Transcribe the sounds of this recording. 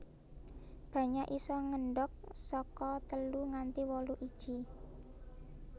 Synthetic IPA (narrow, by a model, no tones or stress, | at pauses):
b̥ä̤ɲaʔisɔŋəɳɖɔk̚sɔkɔt̪əluŋant̪iwɔluʔid̥ʒ̥i